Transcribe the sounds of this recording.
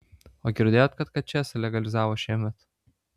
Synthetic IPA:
oːɡʲɪɾʲd̪ʲeːjoːt̪kɐt̪kɐt̪̚t͡ʃʲɛsʲɪlʲɛɡɐlʲɪzɑːʋoːʃʲiɛmʲɛt̪

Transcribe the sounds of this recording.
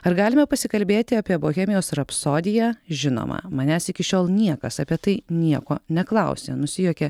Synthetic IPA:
ɐɾɡɑːlʲɪmɛpɐsʲɪkɐlʲbʲeːt̪ʲɪɑːpʲiɛboːxʲɛːmʲɪjoːsɾɐpsoːd̪ʲɪjɛʒʲɪno̰ːmɐ̰mɐnʲæːsɪkʲɪʃʲoːlˠnʲiɛkɐsɐːpʲiɛt̪ɐɪnʲiɛkoːnʲɛklˠɐʊsʲḛnʊsʲɪjuːkʲɛ

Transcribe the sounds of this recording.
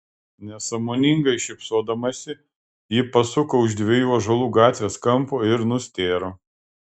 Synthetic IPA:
nʲɛsɐmoːnʲɪŋɡɐɪʃʲɪpsoːd̪ɐmɐsʲɪ | jɪpɐsʊkoːʊʒd̪ʲʋʲejuːɐʒɐlˠuːɡɑːt̪ʲʋʲeːskɐmpoːɪɾnʊsʲt̪ʲeːɾoː

